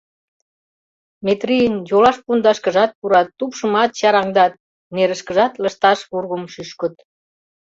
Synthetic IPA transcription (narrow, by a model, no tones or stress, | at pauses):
met̪rijənjolɑʃpund̪ɑʃkəʒɑt̪̚puɾɑt̪ːupʃə̆mɑt̪ɕɑɾɑŋd̪ɑt̪̚ | neɾəʃkəʒɑt̪lə̆ʃt̪ɑʃβurɣəmʃyʃkə̆t̪